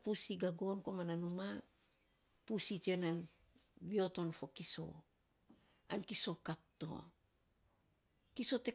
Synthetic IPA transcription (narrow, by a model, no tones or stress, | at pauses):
pusiɡaɡo̞nko̞mananuma | pusitenan | bio̞to̞nfo̞kiso̞̰ | ankiso̞katːo̰ | kiso̞te̞